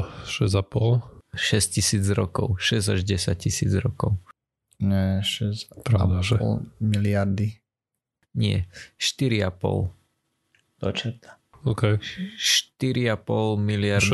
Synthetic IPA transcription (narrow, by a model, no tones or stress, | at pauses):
ʃɛzapɔlʃɛscisiːd͡zɾɔkɔʊʃɛzaʒɟɛsac̚cisiːd͡zɾɔkɔʊ | ɲɛʃɛzpɾad̪aʒɛɔ̰lmiliaɾd̪i | ɲɪɛ̰ʃt̪iɾiapɔ̰l | d̪̥ɔt͡ʃat̪a | okɛʃt̪iɾiapɔlmilɪaɾd̪